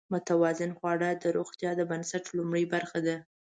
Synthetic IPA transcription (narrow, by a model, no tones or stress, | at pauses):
mʊt̪awɑzɪnxwɑɽəd̪əɾoɣt̪jɑd̪əbansaʈlumɽəjbaɾxad̪a